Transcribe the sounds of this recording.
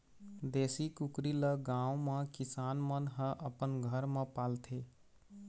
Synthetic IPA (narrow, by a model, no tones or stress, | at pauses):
d̪eːsikukɾiləɡãːwmẽkɪsaːnmənɦə̃ʔəpənɡʱəɾmẽpaːlt̪ʰe